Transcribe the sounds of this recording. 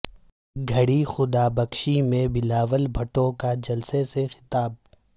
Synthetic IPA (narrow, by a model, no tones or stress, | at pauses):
ɡʱɐɽixʊd̪aːbɐkʃimẽbɪlaːʋəlbʱɐʈõkad͡ʒɐlsesexɪ̥t̪aːb̚